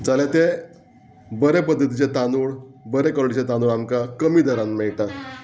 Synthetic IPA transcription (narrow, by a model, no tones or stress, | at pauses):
d͡zaljat̪e | bəɾepəd̪ːət̪it͡ɕet̪anuɭbəɾekɔlɽit͡ɕet̪anuɭamkakəmiːd̪əɾãnmɛɭʈat̪